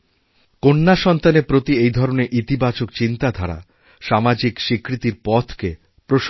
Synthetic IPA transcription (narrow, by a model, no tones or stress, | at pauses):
konːaʃɔnt̪anepɾot̪iejd̪ʱɔɾoneɾʔit̪ibat͡ɕokt͡ɕint̪ad̪ʱaɾa̰ | ʃamad͡ʑikʃikɾit̪iɾpɔt̪ʰke | pɾoʃ